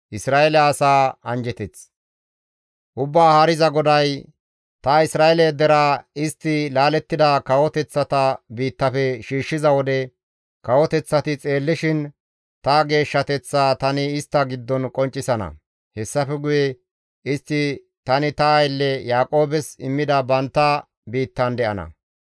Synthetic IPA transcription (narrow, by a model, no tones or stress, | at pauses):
ʔɪsɾaːʔɛlɛɐsaːɐnd͡ʒɛt̪ɛt͡s | ʔʊbːaːhɐɾɪzɐɡɔd̪ɐj | t̪ɐɪsɾaːʔelɛd̪ɛɾaɪst̪ːɪlaːlɛt̪ːɪd̪akɐwɔt̪ɛt͡sːɐt̪ɐbiːt̪ːɐfɛʃiːʃːɪzɐwɔd̪ɛ | kɐwɔt̪ɛt͡sːɐt̪ɪt͡sʼe̞ːlːɪʃɪn | t̪ɐɡe̞ːʃːɐt̪ɛt͡sːaːt̪ɐnɪɪst̪ːɐɡɪd̪ːɔnkʼɔnt͡ʃʼːɪsɐnɐ̰ | hɛsːɐfɛɡʊjɛ | ɪst̪ːɪ | t̪ɐnɪt̪ɐɐjlːɛjaːkʼo̞ːbɛsɪmːɪd̪ɐbɐnt̪ːɐ | biːt̪ːɐnd̪ɛʔɐ̰nɐ̰